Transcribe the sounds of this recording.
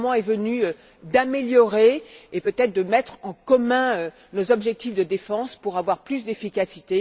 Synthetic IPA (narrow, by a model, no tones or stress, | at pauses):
mɑ̃ɛvənyø | d̪ameljɔʁeepøt̪ɛt̪χd̪əmɛt̪χɑ̃kɔmɛ̃ø | nozɔbʒɛk̚t̪ifd̪əd̪efɑ̃spuʁavwaʁplysd̪efikʲasit̪e